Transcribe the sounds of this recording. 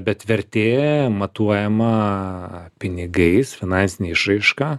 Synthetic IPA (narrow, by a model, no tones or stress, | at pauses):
bʲɛt̪ʋʲɛɾʲt̪ʲeːmɐt̪uɔjɛmɐ | pʲɪnʲɪɡɐɪsfʲɪnɐnʲsʲɪnʲeːɪʃrɐɪʃkaː